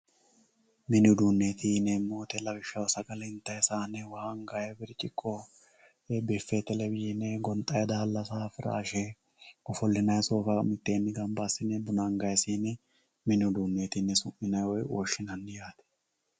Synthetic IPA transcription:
mɪnɪʊd̪uːnːeːt̪ʰinɛmoːt̪ɛlɐbɪʃːɐwsɐɡɐlɪnt̪ːɐjsaːnɛwɐhaŋɡaːjɐbɪɾɪt͡ʃʼɪkʼːɔ | bɛːfːɛt̪ɛlɛbɪjɪnɛɡɔnt̪ʼɐjɛd̪aːlːɐsaːfɪɾa̰ːʃɛ | ɔfɔlːɪnɐjsoːfɐmɪt̪ːeːnːɪɡɐmbasɪnɛbʊnaŋɡɐjsiːnɛ | mɪnɪʊd̪uːnːeːt̪inːɛsʊmːɪnɐjwɔjoːʃːɪnɐnːɪjaːt̪ɛ̥

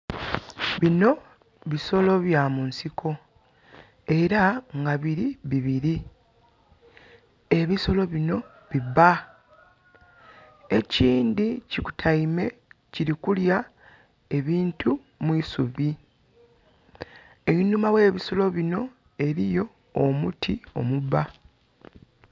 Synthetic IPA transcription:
βino̞ | βiso̞lo̞βjamunsiko̞ | e̞ɾaŋɡaβiɾiβiβiɾi | e̞βiso̞lo̞βino̞ | βiba | e̞ciːndiciku̥tʰajime̞ciɾikulja | e̞βiːntʰu | mwiːsuβi | einumawe̞ːβiso̞lo̞βino̞ | e̞ɾijo̞ː | mutʰio̞̰muβa

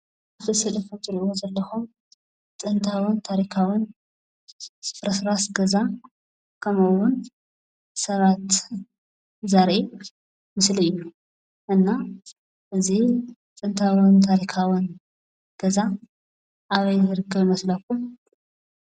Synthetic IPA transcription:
aft̪ʰɨsɨlɨfumzʼɨɾʔozɐlːɐxum | t͡sʼɨnt̪ʰawɨnt̪ʰaɾikʰawɨn | sɨ̥fɾɐsɾasɡɐza | kʰɐmɐwːʊn | sɐβat̪ | zaɾʔi | mɨsliɨjːu | ʔɨnːa | ʔɨzit͡sʼɨnt̪ʰawɨnt̪ʰaɾikʰawɨn | ɡ̥ɐza | ʔaβɐjzɨɾɨkʰːɐβmɐslɐkum

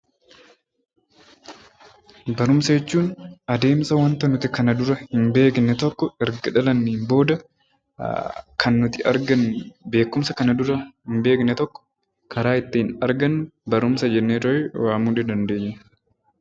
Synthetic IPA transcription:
bɐɾʊmsɐd͡ʒɛt͡ʃːuːnɐd̪e̞ːmsɐwɐnt̪ɐnʊt̪ɪkɐnɐd̪ʊɾɐhɪmbe̞ːknɛt̪ɔkːɔɪɾɡɐᶑɐlɐnːɛɪmbo̞ːd̪ɐ | kʰɐnːʊt̪ɪɐ̰ɾɡɐnbe̞ːkːʊmsɐkɐnɐd̪ʊɾɐhɪmbe̞ːknɛt̪ɔkːɔ̥ | kʰɐɾaːɪt̪ːɪɪnɐɾɡɐnːʊbɐɾʊmsɐd͡ʒɛnːeːt̪ɾɐɛwaːmuːᶑɪd̪ɐnd̪e̞ːɲːɛ

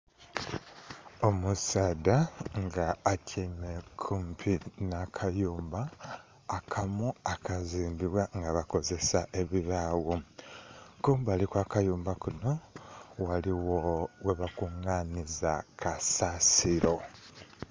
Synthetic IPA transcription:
omusaːdaŋɡaːcʰimekʰumpʰinakʰajuːmbaː | kʰamuakaziːmbiβwaŋɡaβako̞ze̞saʔe̞βiβaːwo | kuːmbaːlikwaːkajuːmbakuno̞waliwoweβakuŋaniza̰kʰasasiɾo̞

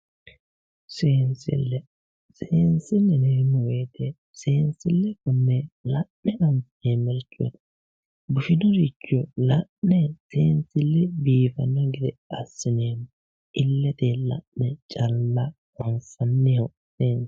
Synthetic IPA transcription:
seːnsɪ̰lːɛ | seːnsɪnːɛneɾnɔweːt̪e | seːnsɪlːɛkʊnːɛlɐʔːɛnɐmf | eːmɛɾt͡ʃʼːṵt̪ɐ̥ | bʊʃɪnɔɾit͡ʃːɔlɐʔnɛseːnsɪlːɛbiːfɐnːɔɡɪd̪ɛɐsːɪneːm | ɪlːɛt̪eːlɐ̰ʔnːɛt͡ʃʼɐlːɐ | wɐnsɐnːɛhɔ | seːn

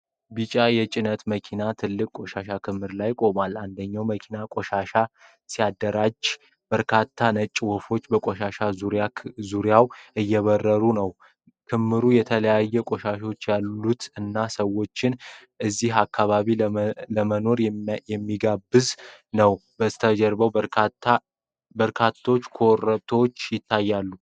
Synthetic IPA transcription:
bɨt͡ʃʼajɛt͡ʃʼɪnət̪məkʰinat̪ʰɨlːɨkʼkʷʼo̞ʃaʃakʰɨmhɨɾlajkʼo̞maland̪əɲːawməkʰinakʼo̞ʃaʃa | sijad̪ːəɾad͡ʒ | b̥əɾkʰat̪ʰːanət͡ʃʼːwɔfo̞t͡ʃːbəkʼoʃaʃauɾazuɾjawʔɨjːɛβərːəɾunəw | kʰɨmːɨɾujɛt̪ʰələjajːɛkʼoʃaʃot͡ʃːjalːut̪ɨnːasəwːo̞t͡ʃːɪn | ʔɨzːihakːaβaβiləməno̞ɾjɛmːiɡabɨznəwbəst̪ʰəd͡ʒɛɾbəwəɾatːa | bəɾkʰat̪ʰːwot͡ʃːkʰorəβt̪ʰowot͡ʃːjɪt̪ʰːajːalːu

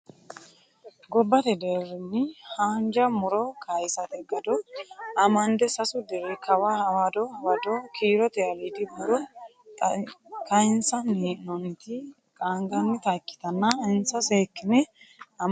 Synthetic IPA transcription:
ɡɔbːɐt̪ɛd̪eɾɪnːɪhaːnd͡ʒɐmʊɾɔkʰɐjsɐt̪ʼɛɡɐd̪ɔɐmɐnd̪ɛsɐsʊd̪ɛɾɛkʰɐwahɐwɐd̪ɔɐwɐd̪ɔkʰiːɾɔt̪ɛɐlid̪ɪbʊɾɔ | kɐnsɐniːnɔnt̪ɪ | kʼaŋɡɐnːɪt̪ɐkːɪ̥t̪ɐnːɐɪnsɐseːkːɪnɛɐm

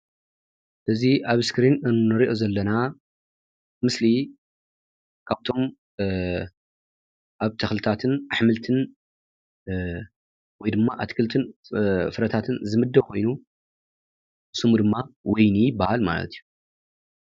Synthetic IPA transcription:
ɨziʔaβskɾinɨnːɨɾiʔo̞zɐlːɐna | mɨsli | kʰaβt̪ʰo̞m | ʔaβt̪ʰɐxlɨt̪ʰat̪ʰɨnaħmɨlt̪ʰɨn | wɔjd̪ɨmːaʔat̪kʰɨlt̪ʰɨnfɨɾɐt̪ʰat̪ʰɨnzɨmɨd̪ːɐβkʰo̞jnu | ɨsɨmud̪ɨmːawɔjnijɪbahalma̰lɐ̰t̪ʰijːu

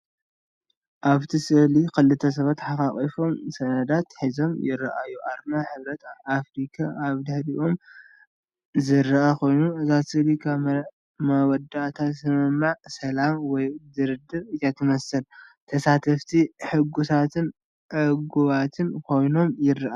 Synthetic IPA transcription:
ʔaβt̪ʰisɨhlikɨlːɨt̪ʰːɐs̬ɐβat̪ħakaχʼifo̞msɐnɐd̪at̪ħizo̞mjɪɾɐʔajːuʔaɾmaħɨβɾɐt̪afɾikʰaaβd̪ɨħɾiʔom | zɨɾːɐʔakʰo̞jnuɨzat̪sɨlikʰaβ | mɐwɔd̪aʔt̪ʰasɨmɨmːaʕsɐlamwɔjd̪ɨɾɨd̪ɨβɨjat̪ʰɨmɐsɐlt̪ʰɐsat̪ʰɐft̪ʰiħɨɡusʰat̪ʰɨn | ʔɨɡuβat̪ʰɨnkʰo̞jno̞mjɪɾɐʔa

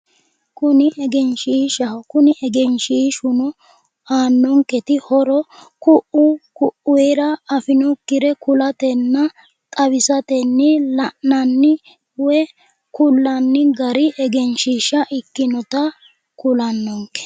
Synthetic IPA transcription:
kʊnɪʔɛɡɛnʃiːʃɐhkʊnɪʔɛɡɛnʃiːʃʊnɔ | aːnːɔŋkːɛt̪ɪhɔɾɔkʊʔʊkʊʔʊeɾɐːfɪnɔkːɪɾɛkʊlɐt̪ɛnːɐ | t̪ʼɐβɪsɐt̪ɛnːɪlɐʔɐnːɪ | wɛ | kʊlːɐnːɪɡɐɾɪʔɛɡɛnʃiʃɐʔɪkːɪnɔt̪ɐ | kʊlɐnːɔŋkɛ̥

